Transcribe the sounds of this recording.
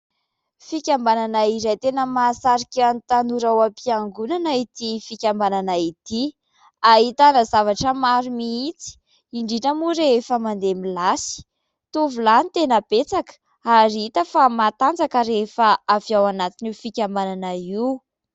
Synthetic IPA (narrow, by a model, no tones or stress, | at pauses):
fikʲambananaizajt̪enəmasaɾikʲant̪anuɾawapiaŋɡunanəit̪ifikʲambananait̪i | aɦit̪anəzavaʈ͡ʂəmaɾumiit͡si̥ | iɳɖ͡ʐiʈ͡ʂəmuɾeefəmand̪emilasi̥ | t̪uvulanit̪enəb̥et͡sakə̥ | aɾiit̪əfamat̪and͡zakəɾefəaviawanat̪inifikʲambananaiw